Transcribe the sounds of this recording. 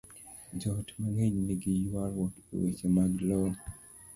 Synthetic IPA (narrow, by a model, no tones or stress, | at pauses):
d͡ʒɔtmaŋeɲniɡijwaɾwɔto̰wḛt͡ʃemaɡlɔn